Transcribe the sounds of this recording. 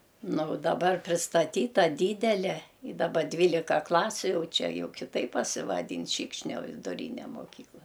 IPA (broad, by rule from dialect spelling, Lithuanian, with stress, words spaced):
ˈnʊ ʊ dɐˈbɐr pʲrʲɪstɐˈtʲiːtɐ ˈdʲiːdʲɛlʲɛ ɪ dɐˈbɐ ˈdʲʋʲiːlʲɪkɐ ˈklˠɑːsʲʊ ˈjɛʊ ˈt͡ʃʲɛ ˈjɛʊ kʲɪˈtɐɪp pɐsʲɪʋɐˈdʲiːn ˈʃʲiːkʃʲnʲoː ʋʲɪdʊˈrʲiːnʲɛ moːˈkʲiːklˠɐ